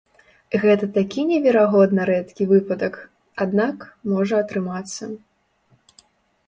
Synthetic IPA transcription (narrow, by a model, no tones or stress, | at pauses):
ɣɛt̪ɐt̪akʲinʲɛvʲɛɾaɣɔd̪nɐɾɛt̪kʲivɨpɐd̪ɐk | ad̪nakmɔʐɐɐt̪ɾɨmat̪sːɐ